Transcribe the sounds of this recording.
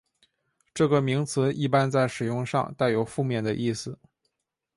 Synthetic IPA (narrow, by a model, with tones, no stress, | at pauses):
ʈ͡ʂɤ˥˩ɡə˩mi˧˥ŋt͡s̩ʰ˧˥ʔi˥˧pa˥nt͡sa˥˩ɪʂɻ̩˨˩jʊ˥˧ŋʂɑ̰˥˧ŋt̪a˥˩ɪjo˨˩ʊfu˥˧mjɛ˥˩nd̪ə˩ʔi˥˩sɹ̩˨˩